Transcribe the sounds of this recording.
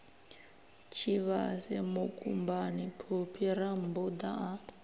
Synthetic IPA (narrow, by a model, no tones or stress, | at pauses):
t͡ʃʰiβa̰sɛmukʼumbanipʰupʰiɾambud̪aʔa